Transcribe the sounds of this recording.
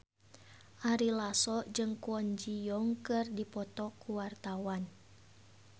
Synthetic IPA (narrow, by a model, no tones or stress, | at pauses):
ʔaɾilasɔʔd͡ʒɨŋkuɔnd͡ʒijɔŋkɨrdipɔt̪ɔkuwart̪awan